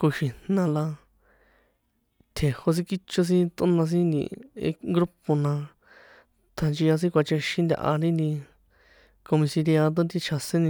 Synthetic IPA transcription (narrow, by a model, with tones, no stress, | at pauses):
ko˧ʃĩ˨nnã˧la˧ | t̪ʰe˨ho˧s̬ĩ˦ki˦t͡ʃo˧s̬ĩ˦t̪o˦nã˧s̬ĩ˦nd̪ḭ̃˧˨ḛ˧ŋɡɾu˦po˧nã˧ | t̪ʰa˨nt͡ʃi˧a˧s̬ĩ˦kʷa˧t͡ʃe˧ʃĩ˦nd̪ʲa̰˧ʔa̰˧ɾĩ˦nĩ˧ | ko˧mĩ˧si˧ɾja˧ðo˦t̪̬i˧t͡ʃʰa˧sẽ˦nĩ˧